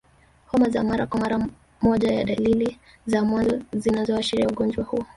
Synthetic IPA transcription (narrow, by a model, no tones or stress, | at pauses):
hɔmazamaɾakwamaɾa | mɔʄajaɗalili | zamwazɔzinazɔaʃiɾiauɠɔnd͡ʒwahuɔ